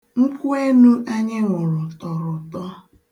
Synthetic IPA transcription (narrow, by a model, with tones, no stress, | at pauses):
ŋ̩˦kʷʊ˦e˦nu˦ʔa˦ɲɪ˦ŋʷʊ˨ɾʊ˨tɔ˨ɾʊ˨tɔ˦